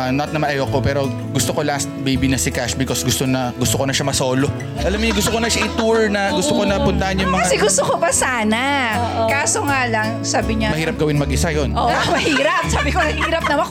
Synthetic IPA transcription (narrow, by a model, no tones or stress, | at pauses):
ɐnɐt̪̚nɐmɐnɐjokopɛːɾo̞ | ɡʊst̪oko̞last̪̚bejbinɐsɪkaʃbɪkosɡʊst̪onɐɡʊst̪okonɐʃɐmɐsoːlo | ʔɐlɐmːojʊŋɡʊst̪okonɐʃaʔɪt̪uɹnɐɡʊst̪okonɐpʊnt̪ɐɐnjʊŋmɐŋkɐasɛɡʊst̪okobɐsaːnɐokaːsoŋaːlɐŋsaːbɪɲɐmɐhiːɾɐp̚ɡɐwɪnmɐɡʔɪsajonʔomɐhiːɾɐp̚saːbɪkonɐɡhiːɾɐp̚nɐmɐ